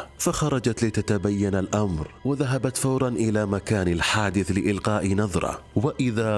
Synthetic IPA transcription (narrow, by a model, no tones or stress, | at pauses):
faxɑɾˤɑd͡ʒat̪lɪt̪at̪abajːanalʔamɾwɪðaɦabat̪fawɾˤɑnʔɪlamakaːnɪlħaːd̪ɪθlɪʔɪlqɑːʔinɑðˤɾˤɑ̰waʔɪða